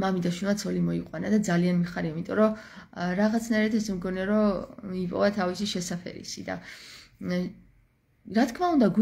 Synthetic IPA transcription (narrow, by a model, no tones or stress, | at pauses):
mamid̪aʃwilˠmat̪sʰɔlimɔiqʼwanad̪ad̪zalianmiχaɾiaimit̪ʼɔɾɔɾaʁat̪sʰnaiɾat̪ʰɛsmɡɔnɛaɾɔipʼɔ̰vat̪ʰavisiʃɛsapʰɛ̰ɾḭsḭd̪a̰ | ɾat̪kʰmaund̪aɡ